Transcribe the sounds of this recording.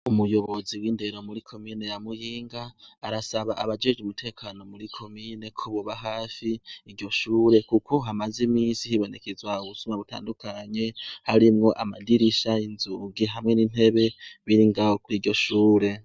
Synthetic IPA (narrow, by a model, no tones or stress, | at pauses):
umujo̞βo̞ziwiːnde̞ɾo̞muɾikʰo̞miːne̞jamujiːŋɡaːɾasaβaʔaβad͡ʒe̞d͡ʒumutʰe̞ːkʰaːno̞muɾikʰo̞mine̞kʰoβoβaɦaːfiːɾɟo̞ʃuːɾe̞kukʰo̞ɦamazimiːsihiβo̞ne̞kezwauβusumaβuta̰ːndukʰaɲe̞haɾimŋo̞ʔa̰ma̰diɾiʃainzuɡiɦamŋe̞nin̥e̞βe̞βiɾiŋɡawokuɾiːɾɟo̞ʃuːɾe̞